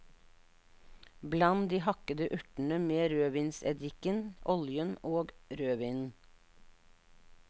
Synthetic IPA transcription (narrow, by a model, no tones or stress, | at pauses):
blɑnd̪iːhɑkəd̪əʔʉʈɳ̩əmeːɾøːʋiːnsɛ̰d̪ɪkənʔɔljənoːɡɾøːʋiːnn̩